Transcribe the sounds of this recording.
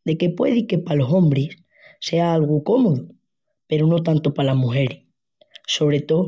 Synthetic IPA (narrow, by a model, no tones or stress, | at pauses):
d̪e̞ke̞pwe̞̰ð̞ike̞palo̞so̞mbɾesː | e̞aalɣ̞uko̞moðu | pe̞ɾono̞t̪ant̪opalamuxe̞ɾi | so̞βɾe̞t̪o̞